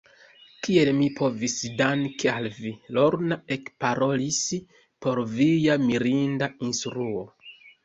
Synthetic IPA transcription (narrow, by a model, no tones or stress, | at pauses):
kie̞lmipʰo̞visdankʰealvilo̞ɾnae̞kpaɾo̞lis | po̞ɾvijamiɾindainstɾuo̞